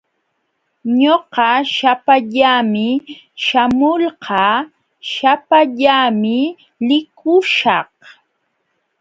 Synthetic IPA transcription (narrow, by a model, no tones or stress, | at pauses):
ɲoqɑʃapaʎamɪ | ʃamʊlqɑː | ʃapaʎamɪ | lɪkʊʃɑh